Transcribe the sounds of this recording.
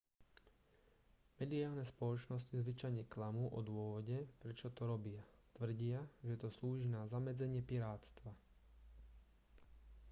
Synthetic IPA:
mɛd̪iaːlnɛspɔlɔt͡ʃnɔscizʋit͡ʃajɲɛklamuːʔɔd̪ʊɔʋɔɟɛpɾɛt͡ʃɔt̪ɔɾɔbɪat̪ʋr̩ɟɪaʒɛt̪ɔsluːʒinazamɛd͡zɛɲɪɛpiɾaːt͡st̪ʋa

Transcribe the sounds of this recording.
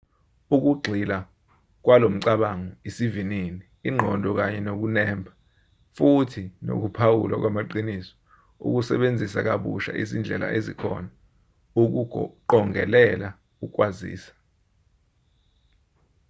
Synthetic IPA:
uk̬uɡ͡ǃʱila | k̬walom̩ǀaɓaŋɔisivininiːŋ͡ǃʱɔndʱɔk̬aɲɛnok̬unɛːmbʰʱḁ | futʰino̰k̬upʰawṵlak̬wamaǃinisɔ̥ | ṵk̬usɛɓend͡zʱisak̬aɓṵʃa̰ʔizind͡ɮʱɛ̰la̰ʔezikʰɔ̰na | uk̬uǃɔŋɛ̰lɛla | uk̬ʼwazḭːsḁ

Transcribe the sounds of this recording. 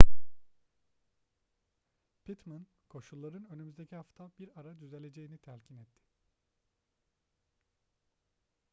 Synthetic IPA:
pʰit̪man | kʰo̞ʃulˠːaɾɯnø̞nymyzd̪e̞cʰiɦaft̪ʰabiɾaɾad̪yze̞lʲe̞d͡ʒe̞jinit̪ʰɛɾcʰinɛt̪ʰːɪ̥

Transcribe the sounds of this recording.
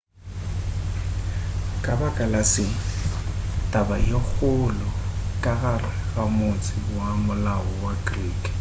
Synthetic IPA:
kʼabakʼalasɪ | tʼabajok͡xʊlɔkʼaɣaraɣamʊt͡sʼɪwamʊlaɔwaɡriːkʼ

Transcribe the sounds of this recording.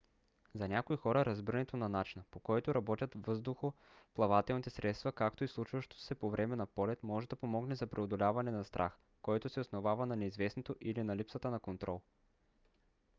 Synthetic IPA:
zɐnʲakoixɔɾɐɾɐzbiɾnɛt̪onanat͡ʃinəpokɔjt̪oɾɐbɔt̪ʲɐt̪vɤzd̪ʊxo | plˠɐvat̪ɛlˠnit̪ɛsɾɛt̪st̪vɐkakt̪oislˠut͡ʃvɐʃt̪o̥sɛpovɾɛmɛnɐpɔlɛt̪mɔʒɛd̪ɐpomɔɡnɛzɐpɾɛod̪olʲavɐnɛnɐst̪ɾʔa̰x | kɔjt̪osɛosnovavɐnɐnɛizvɛsnot̪oʔilinɐlipsət̪ənɐkont̪ɾɔlˠ

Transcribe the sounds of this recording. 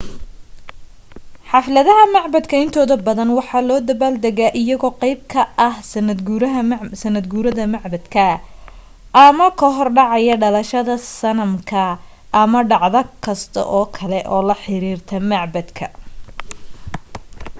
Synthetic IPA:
ħɑflɐðɐɦɐmɑʕbɐd̪kʰɐɪnt̪ʰɔːðɐbɐðɐnwɑħɑːlɔːd̪ɐbaːld̪ɐɣaʔɪjɐɣɔːqɑjb̚kʰɐʔɐhsɐnɐd̪ɡuɾɦsɐnːɐd̪ɡuːɾɐðɐmɑʕbɐd̪kʰɐ | ʔɐmɐkʰɐɦɔrɖɑʕɑjɐɖɐlɐʃɐðɐsɐnɐmkʰɐ | ɐmɐɖɑʕðɐkʰɐst̪ʰɐ̰ʔɔːkʰɐlɛʔɔːlɐħɪɾiːrt̪ʰɐmɑʕbɐd̪kʰɐ

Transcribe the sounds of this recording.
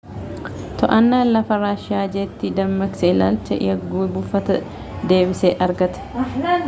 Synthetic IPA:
t̪ɔʔɐnːaːnlɐfɐɾaːʃɪaːd͡ʒeːt̪ːɪd̪ɐmːɐɡsɛɪla̰ːlt͡ʃːɐ̰ɐɡuːbʊfːɐt̪ɐ | d̪e̞ːbɪseːʔɐɾɡɐt̪ɐ̥

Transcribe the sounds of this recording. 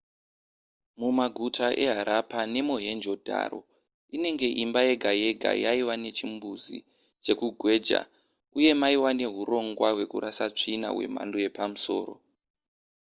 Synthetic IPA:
mumaɡʱutʰaʔe̞ɦaɾʔapane̞moɦe̞nd͡ʒo̞dʱa̰ːɾo̞̰ | ine̞ŋɡe̞ʔimbaje̞ɡʱaje̞ɡʱa̰jaiwane̞t͡ʃimbuzḭ | t͡ʃe̞kuɡʱwe̞ːd͡ʒa̰ | uje̞maiwane̞ɦuro̞ŋɡwaɦwe̞kuɾasat͡ʂina̰ɦwe̞̰m̤a̰ndoje̞pamuso̞̰ːɾo̰

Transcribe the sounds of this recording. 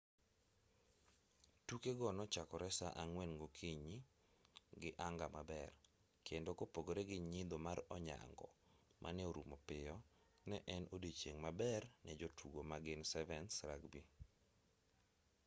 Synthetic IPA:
tukeɡɔnɔt͡ʃakɔɾɛsaʔaŋwenɡokʰiɲi | ɡɪʔaŋɡamabɛr | kendokopoɡoɾeɡɪɲid̪omaɾɔɲa̰ŋɡɔ̰mʔa̰nɛoɾumopɪɔ | nɛʔɛnodet͡ʃeŋmabɛrnɛd͡ʒotʰuɡomaɡɪnsɛvɛnsɾaɡbi

